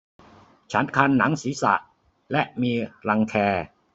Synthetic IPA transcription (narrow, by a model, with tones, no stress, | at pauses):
t͡ɕʰa˦˥nkʰa˧nːa˩˦ŋsiː˩˦sa̰˨˩ʔ | lɛ˦˥ʔmiː˧ɾa˧ŋkʰɛː˧